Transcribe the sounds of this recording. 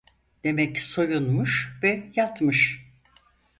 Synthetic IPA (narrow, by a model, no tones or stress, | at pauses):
d̪̥e̞mɛcsojunmuʃvɛjat̪mɯʃ